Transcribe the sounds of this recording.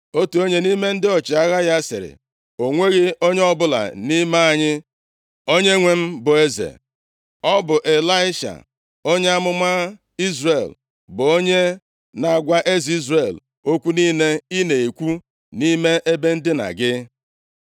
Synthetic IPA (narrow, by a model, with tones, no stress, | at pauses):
o˦tu˨o˦ɲe˦ni˦me˦n̩˦dɪ˦ɔ˨t͡ʃɪ˨a˦ɣa˦ja˦sɪ̰˨ɾɪ̰˨ | o˨ŋʷe˦ɣɪ˦o˦ɲe˦ɔ˦bʊ˦la̰˨ni˦me˦a˨ɲɪ˦ | o˦ɲe˦ŋʷe˦m̩˦bʊ˨e˦zḛ˨ | ɔ˦bʊ˨ʔe˨la˦ɪ˦ʃa̰˨ | o˦ɲe˦a˦mʊ˦ma˦ | i˦zre˨l | bʊ˨o˦ɲe˦ | na˨ɡʷa˦ʔe˦zi˦zre˨l | o˦kʷu˦niː˦ne˦i˦ne˨e˨kʷu˦ | ni˦me˦ʔe˦be˦n̩˦dɪ˦na̰˨ɡɪ˦